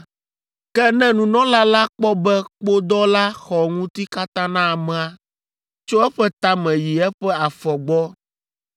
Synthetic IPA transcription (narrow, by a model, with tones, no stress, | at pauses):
kɛ˦nɛ̃˦nũ˨nɔ̃˦la˦la˦k͡pɔ˦bɛ˦k͡po˦d̪ɔ˦la˦xɔ˨ŋũ˦t̪i˦ka˦t̪ã˦nã˦a˨mɛ̃˨a˨ | t͡ʃo˦ɛ˦ɸɛ˦t̪a˦mɛ̃˨ji˨ɛ˦ɸɛ˦a˨fɔ˨ɡ͡bɔ˦